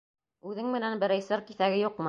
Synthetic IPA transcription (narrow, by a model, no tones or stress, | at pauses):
ʉðɘŋmɘ̆nænbɘ̆ɾæjsɤɾkiθæɡɘjuqmɤ